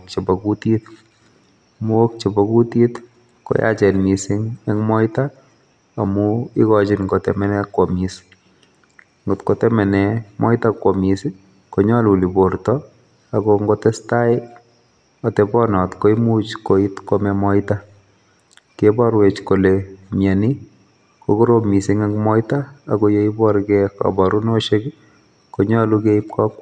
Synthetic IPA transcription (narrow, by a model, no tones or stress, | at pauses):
kt͡ʃebɔkutit | muok̚t͡ʃebɔkutit | ko̰ja̰t͡ʃɛnmisɪŋeŋmɔɪta | amuikɔt͡ʃinɡotɛ̰mɛnɛkwɔmis | ŋɡʊtkotɛmɛnɛmʔɔitakːɔmisi | koɲɔluliboɾtɔ | akoŋɡotɛstaɪ | otɛpɔnɔtkoimut͡ʃkoitkomɛmɔita | kebɔɾwet͡ʃkolemjɛni | kokoɾomisiŋakmɔitaa̰kojeibɔɾkɛkɔ̰bɔɾunoʃek | koɲɔlukeipkʰɔk